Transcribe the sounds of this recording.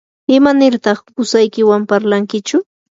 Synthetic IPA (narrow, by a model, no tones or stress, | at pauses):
ɪmanɪɾt̪ɑχʊsajkɪwampaɾlaŋkɪt͡ʃʊ